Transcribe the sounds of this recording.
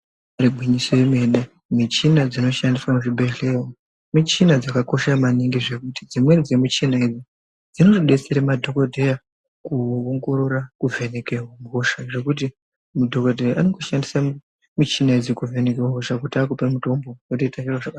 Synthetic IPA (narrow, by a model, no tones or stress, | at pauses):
aɾibʱwiɲisojeme̞ɗe | mit͡ʃinad͡zino̞ʃandiswamuʐibʱe̞ɬe̞wo | mit͡ʃinad͡zakako̞ʃamaniŋɡiʐe̞kutid͡zimwe̞d͡ze̞mut͡ʃinaed͡zi | d͡zino̞ʐiɗe̞t͡seɾemadʱo̞kodʱeja | kuoŋɡo̞ɾo̞ɾakuve̞ne̞keɦwamɡʱoʃaʐe̞kut̬i | mudʱo̞kodʱejaʔaneŋɡoʃandisa | mit͡ʃinaed͡zikuve̞nekewaoʂakutiakupemuto̞mbowetoitaʃirwaʐaka